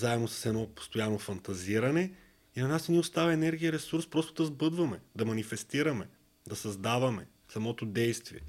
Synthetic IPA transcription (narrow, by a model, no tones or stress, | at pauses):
zaɛd̪nosɐ̥sɛd̪nɔpo̥st̪ojanofɐnt̪ɐziɾɐnɛ | inɐnasniʊst̪avɐɛnɛɾɡʲijɐɾɛsuɾspɾɔst̪od̪ɐzbɤd̪vɐmɛd̪ɐmɐnifɛst̪iɾɐmɛ | d̪ɐsɐzd̪avɐmɛ | sɐmɔt̪od̪ɛjst̪viɛ